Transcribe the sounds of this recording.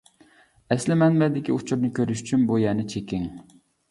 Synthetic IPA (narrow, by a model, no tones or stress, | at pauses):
ɛslɪmɛnbɛd̪ɪkʲiut͡ʃʰuɾnɪkʲʰøɾyʃy̥t͡ʃʰynbujɛnɪt͡ʃʰekʲʰɪŋ